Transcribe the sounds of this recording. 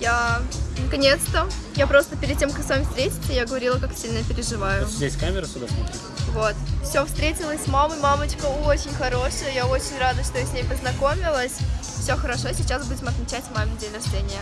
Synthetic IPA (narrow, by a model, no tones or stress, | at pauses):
janəkɐnʲe̞t̪st̪əjapɾo̞st̪əpʲɪɾʲɪd̪̚tʲe̞mkaksvamʲɪfst̪ɾʲetʲɪ̥t̪səjaɡəvɐɾʲilˠəkaksʲilʲnəjəpʲɪɾʲɪʐɨvajʊdʲesʲkamʲɪɾəsud̪ɐso | vo̞t̪fsʲofst̪ɾʲetʲɪlˠəsʲsʲmamɨmamət͡ɕkəot͡ɕɪnʲxɐɾo̞ʂəjəjaot͡ɕɪnʲɾad̪əʂt̪ojsʲnʲejpəznɐko̞mʲɪlˠəsʲ | fsʲoxəɾɐʂo̞sʲɪt͡ɕasbud͡zʲɪmɐt̪mʲɪt͡ɕætʲmamʲɪdʲenʲɾɐʐd̪enʲɪjə